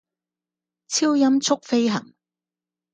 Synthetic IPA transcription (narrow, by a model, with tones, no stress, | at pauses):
t͡sʰiː˥wjɐ˥mt͡sʰʊ˥k̚fe˥jɦɐ̰˨˩ŋ